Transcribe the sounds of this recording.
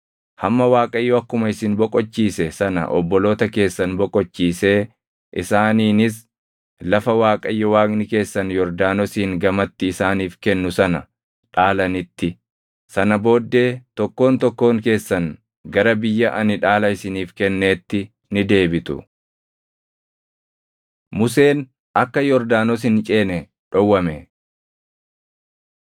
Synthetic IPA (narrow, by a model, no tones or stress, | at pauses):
hɐmːɐwaːkʼɐjːɔɐkːʊmɐɪsɪnbɔkʼɔt͡ʃːiːsɛsɐnɐ̰ʔɔ̰bːɔlo̞ːt̪ɐke̞ːsːɐnbɔkʼɔt͡ʃːiːse̞ː | ʔɪsaːniːnɪs̬ | lɐfɐwaːkʼɐjːɔwaːknɪke̞ːsːɐnjɔɾd̪aːnɔsiːŋɡɐmɐt̪ːɪɪsaːniːfkɛnːʊsɐnɐ | ᶑaːlɐnɪt̪ːɪ | sɐnɐbo̞ːd̪ːe̞ːt̪ɔkːo̞ːnt̪ɔkːo̞ːŋke̞ːsːɐn | ɡɐɾɐbɪjːɐʔɐnɪᶑaːlɐɪsɪniːfkɛnːe̞ːt̪ːɪ | nɪd̪e̞ːbɪt̪ʊ̰ | mʊs̬e̞ːn | ɐkːɐjɔɾd̪aːnɔs̬ɪnt͡ʃʼeːnɛ | ᶑɔwːɐmɛ